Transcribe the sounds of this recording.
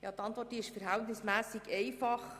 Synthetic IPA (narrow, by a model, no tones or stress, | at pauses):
jɑ̰t̪ɑntʋɔrt̚diːɪʃfəɾɦæltnɪsmæːsɪɡɛɪfɑχ